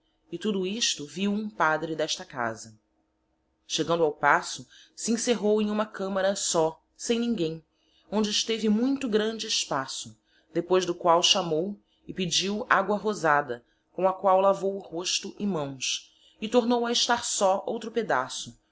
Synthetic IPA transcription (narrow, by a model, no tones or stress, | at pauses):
ɪt̪ud̪ʊiʃt̪ʊviwũpad̪ɾɪd̪ɛʃt̪ɐka̰zɐ | ʃeɡɐ̃nd̪ʊawpasʊsiĩseɦowẽj̃ũmɐkɐ̃mɐɾɐsɔ | sẽj̃nĩŋɡẽj̃ | õnd͡ʒɪːʃt̪evɪmũj̃t̪ʊɡɾɐ̃nd͡ʒɪɪʃpasʊ | d̪epojzd̪ʊkwawʃamow | ɪpɪd͡ʒiwaɡwɐɦozad̪ɐ | kõw̃ɐkwawlavowʊhoʃt̪ʊʔɪmɐ̃w̃s | ɪt̪oɾnowɐɪʃt̪aɾsɔowt̪ɾʊped̪a̰sʊ